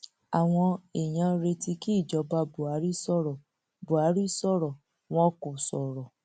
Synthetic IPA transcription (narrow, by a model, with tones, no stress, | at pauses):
a˨w̃ɔ̃˧e˨j̃ã˧ɾe˧ti˧ki˦i˦˨d͡ʒɔ˨˧˦ba˧˦bu˨a˨˦ɾi˦sɔ˦ɾɔ˨ | bu˨a˨˦ɾi˦sɔ˦˨ɾɔ˨ | w̃ɔ̃˦ku˨sɔ˨ɾɔ˨